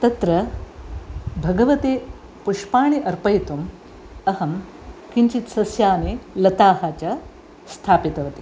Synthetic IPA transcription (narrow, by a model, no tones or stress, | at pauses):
t̪ɐt̪ɾɐ | bʱɐɡɐʋɐt̪eː | puʂpaːɳiʔɐɾpɐjt̪um | ɐhɐm | kiɲt͡ʃit̪sɐsjaːnelɐt̪aːhaːt͡ʃa | st̪ʰaːpit̪ɐʋɐt̪i